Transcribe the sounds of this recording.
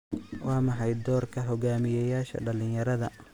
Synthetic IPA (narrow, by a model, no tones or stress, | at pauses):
wɑːmɑħɑjd̪ɔːrkʰɐɦɔɡaːmɪjɛjaːʃɐ̰ɖɐlɪnjɐɾɐðɐ